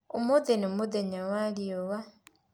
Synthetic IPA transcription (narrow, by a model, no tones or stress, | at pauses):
omuðenomuðeɲawaliowa